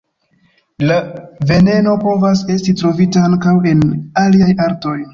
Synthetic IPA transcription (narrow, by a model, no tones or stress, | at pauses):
lave̞ne̞no̞po̞vase̞stitɾo̞vitaaŋkawe̞naliajaɾto̞j